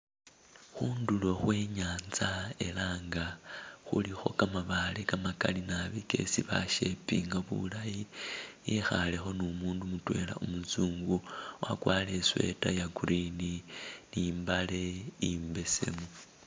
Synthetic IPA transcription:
xuːndulo̞xwe̞ːɲaːnzae̞laːŋɡaxṵlixo̞kamaβalekamakalinaβike̞̰siβa̰ʃe̞piːŋɡaβṵlajijexale̞xo̞numuːndumutwe̞la̰ʔumut͡suːŋɡuwa̰kwaːle̞swe̞̰tajaɡuɾininimbale̞iːmbe̞se̞̰mu

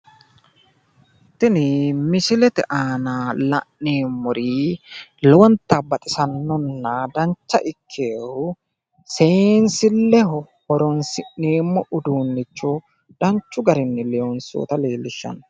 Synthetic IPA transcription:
t̪ːɪnɪmɪsɪlɛt̪ɛ̰ʔaːnalɐ̰ʔːeːmːɔɾi | lɔwɐnt̪ːɐbːɐt̪ʼɪsɐnːɔnːɐd̪ɐnt͡ʃːɐ̰ʔɪkʰːeːhʊ | seːnsɪlːɛɦɔ | hɔɾɔnsɪʔneːmːɔʔʊd̪uːnːɪt͡ʃːɔ | d̪̥ɐnt͡ʃːʊɡɐɾɪnːɪlɛɔnso̰ːt̪ɐleːlːɪʃːɐ̰n

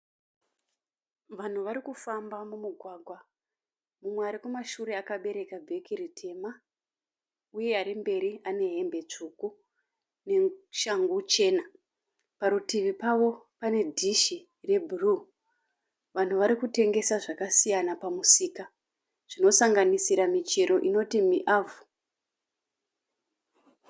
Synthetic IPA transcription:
ʋan̤uʋaɾikufambamumuɡʱwaːɡʱwa | mumweaɾikumaʃuɾe̞akaɓe̞ɾe̞kabʱe̞kiritʰe̞ma | uje̞aɾimbe̞ɾiane̞ɦembe̞t͡ʂuku | neʃaŋɡut͡ʃe̞ːna | paɾutiʋipaʋo̞ | pane̞dʱiʃi | re̞bʱuru | ʋan̤uʋaɾikute̞ŋɡe̞saʐakasijanapamusiːka | ʐ̥ino̞saŋɡanisiɾamit͡ʃeɾo̞ʔino̞timiʔaːvu

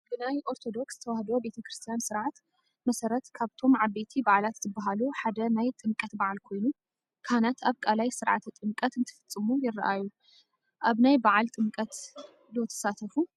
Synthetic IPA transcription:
b̥ɨnajʔo̞ɾt̪ʰo̞d̪o̞kszɨt̪ʰɐwahd̪obe̞t̪ʰɐkɾɨst̪ʰijansɨɾʕat̪ | mɐsɐɾɐt̪kʰaβt̪ʰo̞mʕaβet̪ʰibaʕalat̪zɨbːaɦaluħad̪ɐnajt̪ʼɨmkʼɐt̪baʕalkʰo̞jnu | kʰanat̪aβkʼalajsɨɾʕat̪ʰt̪ʼɨmkʼɐt̪ɨnt̪ʰɨ̥fɨt͡sʼːɨmujɪrːa̰ʔaju | ʔaβnajbaʕalt̪ʼɨmkʼɐt̪ | lwɔt̪ʰɐ̥sat̪ʰɐfu

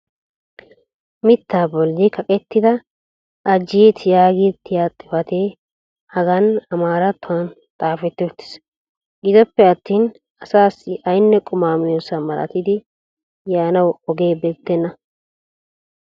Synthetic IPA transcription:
mɪt̪ʰːaːbɔlːɪkʰɐkʼɛt̪ːɪd̪ɐ | ɐd͡ʒːiːt̪jaːɡit̪ːɪjaːt̪ʼːɪfɐt̪ʰeː | hɐɡɐnɐmaːɾɐt̪ːʊwɐn | t̪ʼaːfɛt̪ːot̪ːɪ̥s | ɡɪzɔpːɛɐt̪ːiːn | ɐsaːsɪʔɐjnːɛkʼʊmaːmɪjosɐmɐɾʔɐ̰t̪ɪd̪ɪ | jaːnɐwɔɡe̞ːbɛt̪ːɛnːɐ

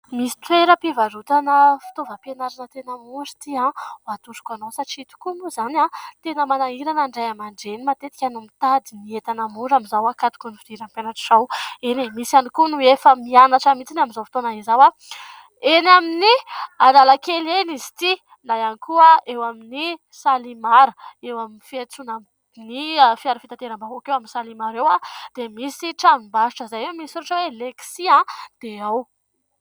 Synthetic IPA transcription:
misi̥t̪weɾəpivaɾut̪anəfi̥t̪ovəpenaɾanət̪enəmuɾi̥t̪iaat̪uɾu̥kʲanosaʈ͡ʂit̪u̥kunuzanat̪enəmanaiɾanaɳɖ͡ʐajamaɳɖ͡ʐenimat̪et̪i̥kʲanumit̪ad̪iniet̪anəmuɾamizawakat̪ukunifid̪̥iɾanpanaʈ͡ʂʈ͡ʂawenemisanikunuefəmianaʈ͡ʂamit͡sinaminzawfi̥t̪onaizawa | enaminialalakelenizi̥t̪i | najanikuaewamini | salimaɾəewaminifiat͡suna | nifiaɾafit̪ant̪eɾambaɦokewaminsalimaɾewad̪̥emisiʈ͡ʂanimbaʃiʈ͡ʂəzajemisuɾuʈ͡ʂəweleksiãd̪̥eaw

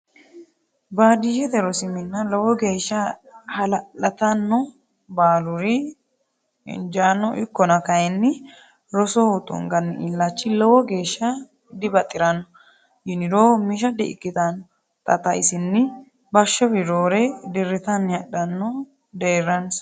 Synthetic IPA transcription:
baːd̪iʃɛd̪ɛɾɔsɪmɪnːɐlɔwɔɡe̞ːʃːɐhɐlɐlɐt̪ɐnːɔ | baːlʊɾɪ | ɪ̰nd͡ʒanːɔʔɪkːɔnɐkɐjɛnːɪ | ɾɔsɔɔt̪ʼɔ̰ŋɡɐnːɪʔɪlːat͡ʃːɪlɔwɔɡe̞ːʃːɐ | d̪ɪbɐt̪ʼːɪɾɐnːɔ | jɪnɪɾoːmɪʃ̬ɐd̪ɪɪ̰kːɪt̪ɐnːɔ | t̪ʼɐt̪ɐɪsɪnːɪ | bɐʃːɔbɪɾoːɾɛd̪ɪɾːɪt̪ɐnːjɐɗɐnːɔ | d̪eːɾɐns

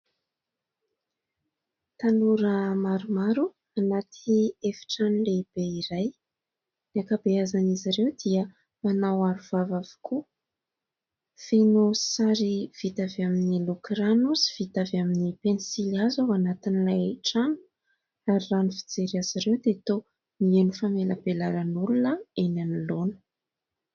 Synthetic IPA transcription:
t̪anuɾəmaɾumaɾu | anat̪ʰiefi̥ʈ͡ʂanleb̥eiɾaj | nakabeazaniziɾewd̪iə | manawaɾuv̥avavu̥kʰu | feno̥saɾiv̥it̪avaminilukɾanusi̥v̥it̪avaminipenisilazawanat̪inilajʈ͡ʂanu̥ | aɾiranifi̥d͡zeɾiaz̥iɾewd̪et̪o | mienufameləbelaɾanulunəenanilonə̥

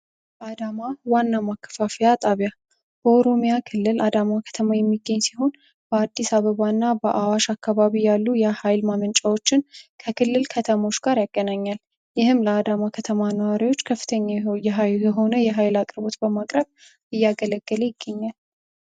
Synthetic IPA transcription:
bad̪amawanːamakʰːə̥fafijat̪ʼaβja | b̥əoɾo̞mijakʰɨlːɨlʔad̪amakʰə̥t̪ʰəmajɛmːiɡːəɲːsiɦo̞n | b̥əad̪ːisaβəβanːabəʔawaʃakːaβaβijalːujɛhajlmamənt͡ʃʼawo̞t͡ʃːɪnkʰəkʰɨlːɨlkʰət̪ʰəmo̞t͡ʃːɡ̥aɾjaɡ̥ːənaɲːal | jɪhɨmləad̪amakʰət̪ʰəmanəwaɾiwo̞t͡ʃːkʰəfːɨ̥t̪ʰəɲːajɛɦajɛɦo̞nəjɛɦajlakʼɨɾbo̞t̪bəmakʼɾəβ | ɨjːaɡələɡ̥ːəlejɪɡ̥ːəɲːal

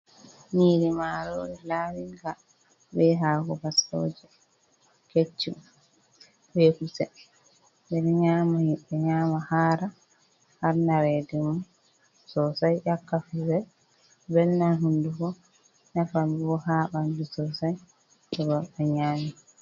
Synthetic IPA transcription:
niːɾimaɾo̰ːɾɛlaːwiŋɡa | bɛɦaːɡɔbaso̰ːd͡ʒɛ | ket͡ʃːi | bekusɛ | bɛnɛɲaːmahiɓɛɲaːmahaːɾa | haɾnaɾɛdɛmɔ | sɔsajʔakːafizɛ | bɛnnanɦundufɔ | nafamiwɔhaːɓandusɔsaj | ɗɛbaɓɛɲaːmi

